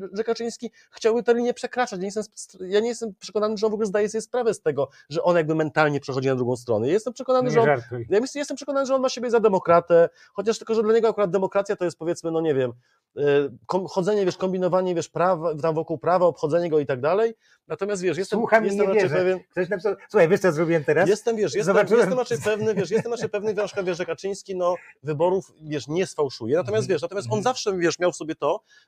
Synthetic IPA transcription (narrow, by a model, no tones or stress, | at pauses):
ʐɛkat͡ʂɘj̃skʲi | xt͡ɕawbɘt̪ɛɾlʲiɲɛpʂɛkɾat͡ʂat͡ɕɲejɛst̪ɛmssjaɲejɛst̪ɛmpʂɛkɔnanɘʐɛɔnvɔɡulɛzd̪ajɛsɛbʲjɛspɾavɛst̪ɛɡɔ | ʐɛʔɔnajaɡ̚bɘmɛnt̪alɲɛpʂɛxɔd͡ʑinad̪ɾuɡɔ̃w̃st̪ɾɔ̰nɛjajɛst̪ɛmpʂɛkɔnanɨʐɛɔnɾjamʲiɕjɛst̪ɛmpʂɛkɔnanɨʐɛɔnmaɕebʲjɛzad̪ɛmɔkɾat̪ɛ | xɔt͡ɕaʂt̪ɘlkɔʐɛd̪laɲɛɡɔakuɾad̪̚d̪ɛmɔkɾat̪sʲjat̪ɔjɛst̪pɔvʲjɛt̪smɘnɔɲɛvʲjɛm | kɔmxɔd̪zɛɲɛvjɛʂkɔmbʲinɔvaɲɛvʲjɛʂpɾavat̪amvɔkuwpɾavaɔpxɔd̪zɛɲɛɡɔit̪aɡ̚d̪alɛj | nat̪ɔmʲjast̪vʲjɛʂ̬jɛst̪ɛmuxajɛst̪ɛmat͡ʃɛjpɛvʲjɛnkt̪ɔnapʲisawsuxajvʲɛʂt̪ɔjazɾɔbʲiwɛmt̪ɛɾasjɛst̪ɛmvʲjɛʂjɛszɔvaɛst̪ɛmɾat͡ʂɛjpɛvnɘvʲjɛʂ̬jɛst̪ɛmɾat͡ʂɛjpɛvnɘvʲjɛʂkavʲjɛʂɛkat͡ʂɘj̃skʲinɔvɘbɔɾufvʲjɛʂɲɛsfawʂujɛnat̪ɔmʲjast̪vʲɛʂnat̪ɔmʲjast̪ɔnzafʂɛvʲjɛʂmʲjawfsɔbʲjɛt̪ɔ